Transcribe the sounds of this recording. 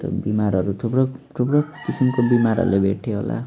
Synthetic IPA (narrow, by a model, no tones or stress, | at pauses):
ʌ̰bimaɾʌɾut̪ʰupɽʌt̪ʰubɽʌkisimkobimaɾʌ̰ɾulebʱeʈʰjoɦo̰la̰